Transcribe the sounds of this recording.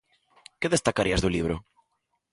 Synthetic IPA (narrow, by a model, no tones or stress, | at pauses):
keðest̪akaɾiazðuliβ̞ɾʊ̰